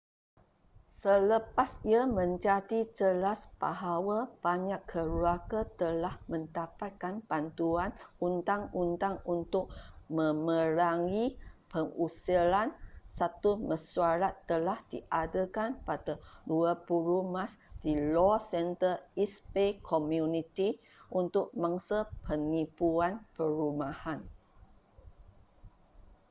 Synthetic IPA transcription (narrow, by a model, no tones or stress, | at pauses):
sələpasiamə̃ɲd͡ʒadid͡ʒəlasb̥a̰ɦawab̥aɲakʰːəɾuakat̪əlahmə̃ndapat̪̚kanbant̪uanunt̪aŋunt̪aŋunt̪ʊk̚mə̃mə̃ɾaŋipəŋusilansat̪uməsuaɾat̪ːəlahd̥iʔadəkanpadaduəpulumãsd̥ilɔsɛnt̪əispekʰomjunit̪i | ʔunt̪ʊk̚maŋsəpʰəŋipuanpəɾumahan